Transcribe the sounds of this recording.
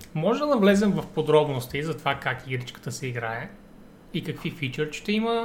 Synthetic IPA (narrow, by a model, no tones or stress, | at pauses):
mɔʒɛd̪ɐvlɛzɛmvɐfpod̪ɾɔbnost̪iizɐt̪ovakakiɡɾit͡ʃkə̥t̪əsɛiɡɾaɛ | ikɐkvifit͡ʃɛɾʃʃt̪ɛimə